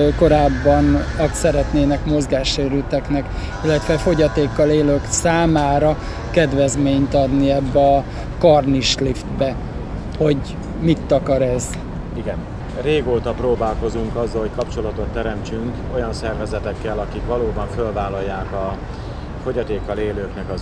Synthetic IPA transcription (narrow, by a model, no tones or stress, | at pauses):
ko̞ɾaːbːɒnɒk̪sɛɾɛt̪neːnɛkmo̞zɡaːʃeːɾylt̪ɛknɛk | ilːɛt̪ʋɛfo̞ɟɒt̪eːkːɒleːløːksaːmaːɾɒ | kɛd̪vɛzmeːɲt̪ɒd̪niɛbːɛɒ | kɒrniʃlift̪bɛ | ho̞ɟ | mit̪ːɒkɒɾɛz̥ | iɡɛn | reːɡoːt̪ɒproːbaːlko̞zuŋkɒzːɒlho̞ckɒpt͡ʃo̞lɒt̪o̞t̪ːɛɾɛmt͡ʃyŋk | o̞jɒnsɛrvɛzɛt̪ɛkːɛlɒkikʋɒloːbɒɱfølvaːlːɒjːaːkɒ | fo̞ɟɒt̪eːkːɒleːløːknɛkɒ